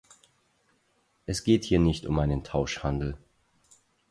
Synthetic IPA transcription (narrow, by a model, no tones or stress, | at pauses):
ʔɛsɡ̥eːthiːɐnɪçtʊmʔaɪnəntʰaʊʃhandl̩